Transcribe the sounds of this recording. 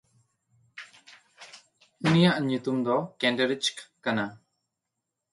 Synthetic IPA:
unijaʔɲut̪umd̪ɔkɛ̃ɳɖeɾit͡ʃkkana

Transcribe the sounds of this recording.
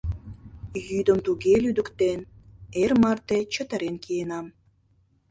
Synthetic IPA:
jyd̪əmt̪uɣelyd̪ə̆kt̪enermɑrt̪et͡ɕət̪ə̆ɾenkienɑm

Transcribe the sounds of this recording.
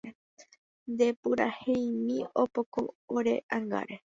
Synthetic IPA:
nd̪e̞pɨɾahẽjmĩopoko̰oɾe̞̰ʔaŋɡa̰ɾe

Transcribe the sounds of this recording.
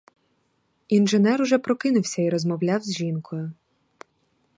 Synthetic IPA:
inʒenɛɾʊʒɛpɾɔkɪnʊwsʲɐiɾɔzmɔwlʲawzʲʒinkʰɔjʊ

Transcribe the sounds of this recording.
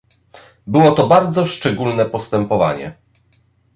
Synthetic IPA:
bɘwɔt̪ɔbaɾd̪zɔʂt͡ʂɛɡulnɛpɔst̪ɛmpɔva̰ɲɛ̰

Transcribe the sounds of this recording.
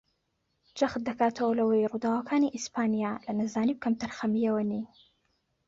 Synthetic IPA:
d͡ʒɐxt̪̚d̪ɐkaːt̪ʰɐwɐlɐwɐjrud̪aːwɐkʰaːniʔispʰaːnijalɐnɐzaːnib̚kʰɐmt̪ʰɐɾxɐmijɐwɐni

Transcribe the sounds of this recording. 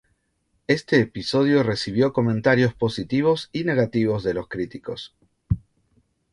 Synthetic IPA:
e̞st̪e̞ːpiso̞ð̞jo̞re̞siβ̞jo̞ko̞mẽ̞nt̪aɾjo̞spo̞sit̪iβ̞o̞sine̞ɣat̪iβ̞o̞zðe̞lo̞skɾit̪iko̞s

